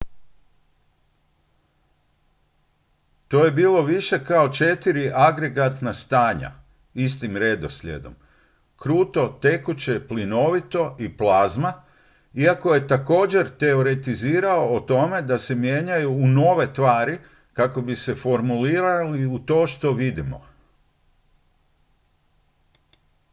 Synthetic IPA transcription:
t̪o̞ːje̞biːlˠo̞ʋiʃe̞kao̞t͡ʃe̞t̪iɾiʔaɡɾe̞ɡat̪nast̪aːɲa̰ | ist̪imɾe̞d̪o̞slʲḛd̪o̞̰m | kɾuːt̪o̞t̪e̞kut͡ɕe̞plino̞ʋit̪o̞ʔiplazma | iako̞je̞t̪ako̞ːd͡ʑe̞ɾt̪e̞oɾe̞t̪iziːɾao̞ːt̪o̞me̞d̪ase̞mje̞ɲajuːno̞ːʋe̞t̪ʋaːɾi | kako̞bise̞fo̞ɾmuliːɾaliut̪o̞ːʃt̪o̞ʋid̪imo̰

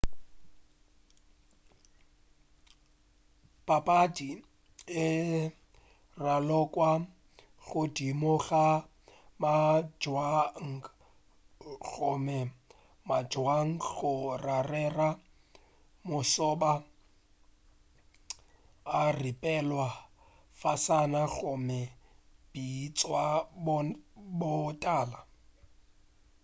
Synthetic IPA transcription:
pʼapʼadi | ɪ | ralɔkʼwa | ɣʊdimʊɣa | mad͡ʒwaŋ̩ | ɣɔmɛ | mad͡ʒwaŋ̩ɣʊrarɛra | mʊsɔba | ripʼɛlwa | fasanaɣʊmɛb̥it͡sʼwabbɔtʼaːla

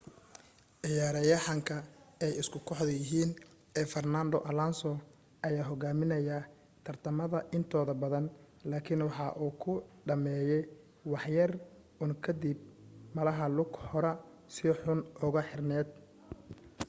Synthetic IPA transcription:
ʔɪjaːɾɐjɐħɑŋkʰɐɛjɪskʰʊkʰɔħðɐjɪɦiːn | ɛːfɐrnaːnd̪ɔʔɐlansɔ | ʔɐjaːɦɔɣaːmɪnɐja | t̪ʰɐrt̪ʰɐmɐðɐʔɪnt̪ʰɔːðɐbɐðɐn | laːkʰɪnwɑħɑːʔuːkʰʊɖɐmɛːjɛj | wɑħjɐr | ʊŋkʰɐd̪ib̚mɐlɐɦɐlʊɡhɔɾɛ | sɪħʊnʔʊɣɐħɪrnɛːd̪̚

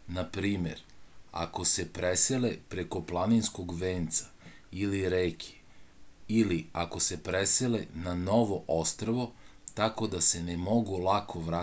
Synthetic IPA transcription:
napɾiːme̞̰ɾa̰ko̞se̞pɾeselepɾeko̞plˠaninsko̞ɡʋeːnt̪sḁ | iliɾeːkʰe̥ | iliako̞se̞pɾeselenano̞ʋoʔost̪ɾoʋo̞t̪ako̞d̪ase̞nemo̞ɡulˠakʰo̞ʋɾa

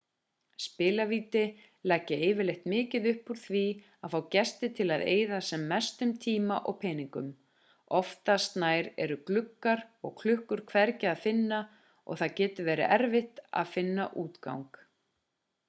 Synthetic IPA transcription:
spɪːlaviːt̪ɪ | lɛcːɪeːjvɪɾlejht̪mɪːcɪðʏhpuɾ̥θvi | aðfawcɛst̪ɪt̪ʰɪlaðḛːjðasɛmːɛst̪ʏmt̪ʰiːmaʔɔɣpʰɛːniŋkʏm | ɔft̪ast̪naːjɾɛ̰ɾʏklʏkːaɾɔ̰ɣkʰlʏhkʏɾ̥kʰvɛɾcɪaðfɪnːa | ɔ̰ɣθaðcɛːt̪ʏɾvɛːɾɪ̰ʔɛɾvɪht̪a̰ðfɪnːa̰ʔuːt̪ka̰wŋk

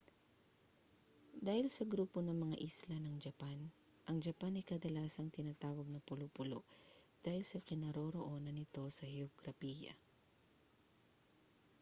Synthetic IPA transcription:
d̪aːhɪlsɐɡɾuːpo̞nɐŋmɐŋaʔɪslɐnɐŋd͡ʒɐpan | ʔɐŋd͡ʒɐpanɐjkɐd̪ɐlaːsɐŋt̪ɪnaːt̪aːwɐɡ̚nɐpʊlopʊlo̰ʔd̪̥aːhɪlsɐkɪnɐɾo̞ɾoʔo̞ːnɐnɪt̪o̞sɐhɛoɡɾɐpiːjɐ̰

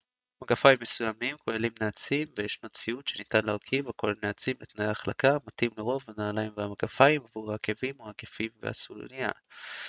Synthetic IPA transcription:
maɡafaimːe̞sujamimkʰoelimneat͡simvejeʃnot͡siutʃe̞nitanleaʁkʰivako̞laneat͡simlet̪najaːχlakamatimleʁo̞vanaːlaimveamaɡafaimavuʁhaːke̞vimʁakefimvḛa̰sul̰nia̰

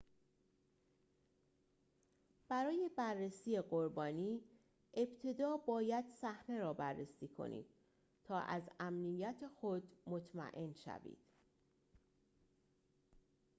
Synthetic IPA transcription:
b̥æɾɒːje̞bærːesiːeɢoɾbɒːniː | ʔe̞b̥t̪ʰe̞d̪ɒːbɒːjæd̪̥sæhne̞ɾɒːbærːesiːkʰo̞̰nḭd̪̥̚ | t̪ʰɒːʔæzæmnijæt̪ʰexod̪mo̞t̪ʰmæ̰ʔe̞nʃæ̰vḭːd̪̥

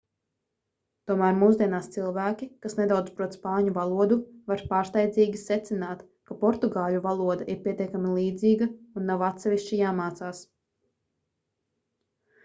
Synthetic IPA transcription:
t̪uɔmæːɾmuːzd̪iɛnaːst̪silˠvæːkʲikasned̪awd̪zpɾuɔt̪spaːɲuvalˠuɔd̪uvaɾpaːɾst̪ajd̪ziːɡʲisɛt̪sinaːt̪ | kapɔɾt̪uɡaːʎʲuvalˠuɔd̪aʔiɾpʲiɛt̪ʲiɛkamilˠiːd̪ziːɡɐunːawat̪sɛvʲiʃt͡ʃijaːmaːt̪saːs

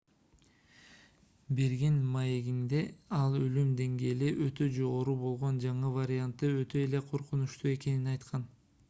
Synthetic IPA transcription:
beɾɡinmaje̞ɡind̪e̞ɑlˠølymd̪e̞ŋɡeːliʔøt̪ø̞d͡ʒo̞ʁo̞ɾubo̞lˠʁo̞nd͡ʒɑɴɯvaɾʲɪant̪ːɯø̞t̪øele̞qʰo̞ɾqunuʃt̪ue̞ke̞ninɑjt̪qʰɑn

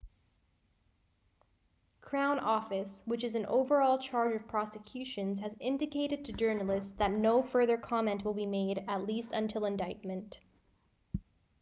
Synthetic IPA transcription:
kʰɹ̥ãʊ̃nʔɔfɨswɨt͡ʃɨz̃n̩ʔo̰ʊvə˞ɔlˠt͡ʃʰɑɹd͡ʒʌv̥pʰɹ̥ɑsɨkʰj̥ʉʃɨ̃nz̥ɨzɪ̃ndɨkʰeɪɾɨd̚tʰɨd͡ʒɜ˞nl̩ˠɪsðɨtⁿnoʊfɜ˞ðə˞kʰɑmɛ̃nʔwəlˠbimeɪɾɨtˡlistə̃ntʰɪlˠə̃ndaɪt̚mɨ̃nt

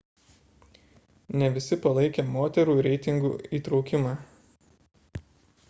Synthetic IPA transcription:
nʲɛʋʲɪsʲɪpɐlˠɐɪkʲeːmoːt̪ʲɛɾuːɾʲɛɪt̪ʲɪŋɡṵːiːt̪ɾɒʊkʲɪmɑː

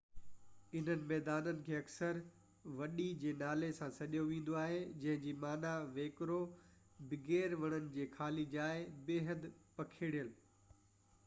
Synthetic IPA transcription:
ɪn̤ənɪ̆mɛːd̪aːnənɪ̆kʰeːɐksəɾ | ʋɐɗid͡ʑeːnaːlesãsɐʄjoʋĩːn̆d̪oaːɦed͡ʑɐ̃ɦɪ̃ɲd͡ʑiːmaːnaʋeːkɾo | bɪɡeːɾʋɐɽ̃ənɪ̆d͡ʑeːxʰaːlid͡ʑaːebeːɦəd̪pɐkʰeːɽijəl

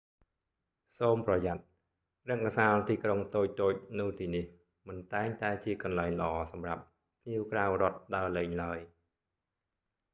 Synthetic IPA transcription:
soːmprɑjat̪̚ | rɛ̆əŋkasaːlt̪iːkroŋt̪oːc̚t̪oːc̚nɨwt̪iːnih | mɨnt̪aɛŋt̪aɛt͡ɕiəkɑnlaɛŋlə̆ʔɑːsɑmrap̚ | pʰniəwkraːwrŏət̪̚ɗaəlɛːɲlaəj

